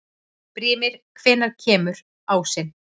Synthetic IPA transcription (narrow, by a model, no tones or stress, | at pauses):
pɾiːmɪɾ̥kʰvɛːnaɾ̥cʰɛːmʏɾ | awsɪn